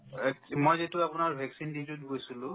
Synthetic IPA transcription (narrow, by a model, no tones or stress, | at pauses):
mojzetʊapʊnaɹbʱɛksinditutɡojsulʊ̃